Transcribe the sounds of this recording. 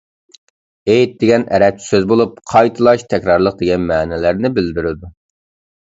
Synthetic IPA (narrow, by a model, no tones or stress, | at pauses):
ejt̪̚d̪eɡʲɛnɛɾɛt͡ʃʰːi̥søzbolˠup̚qʰɑjt̪ʰɨlˠɑʃt̪ʰɛkʲɾɑɾlˠəq̚d̪eɡʲɛnmæːnɛlæɾnɪbɪld̪ɪɾɪd̪u